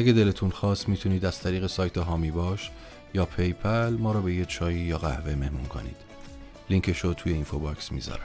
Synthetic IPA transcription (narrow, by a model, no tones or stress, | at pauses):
ʔæɡed̪elet̪ʰunxɒːst̪miːt̪ʰuniːd̪æz̥t̪ʰæɾiːɣe̞sɒːjt̪ʰeɦɒːmiːbɒːʃ | jɒːpʰe̞jpʰælmɒːɾɒːbe̞jet͡ʃʰɒːjijɒːɣæhve̞mehmunkʰo̞̰nḭːd̪̥ | liŋcʰeʃot̪ʰuːje̞infobɒksmḭːzɒ̰ɾæ